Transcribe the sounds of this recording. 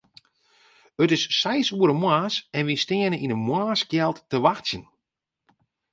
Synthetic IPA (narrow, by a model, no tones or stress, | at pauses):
ətɪsːɛjsuəɾəmwaːsɛnʋiəstɪənəʔinəmwaːskjɛlˠtːəʋaxsjən